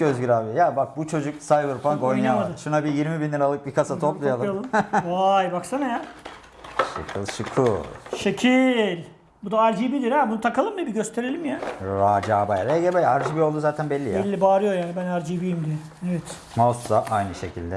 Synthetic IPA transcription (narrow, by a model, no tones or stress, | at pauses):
øzɡyɾaːbijɛjabak̚but͡ʃʰo̞d͡ʒuk̚sajbɯɾfaŋkojnjamad̪ʃunabijiɾmibinlːʲiɾalˠɯk̚bikʰasat̪ʰoplˠujalˠjamlˠɯmajbaksanaja | ʃɯ̰kʰɯlˠʃɯkʰuʃecʰilʲ | bud̪aaɾd͡ʒibid̪iɾabunut̪ʰakʰalˠɯmd̪ibiɟøst̪ʰe̞ɾe̞lʲimjaɾaːd͡ʒaːbajaɾeɡɛbɛjaɾd͡ʒibio̞lˠd̪uzaːt̪ʰænbɛlʲːijɛlʲːibaːɾɯjo̞jaːnibænaɾd͡ʒibijimd̪iɛ | ɛvɛt̪ | mosːaʔajnɯʃe̞̰cʰilʲd̪ɛ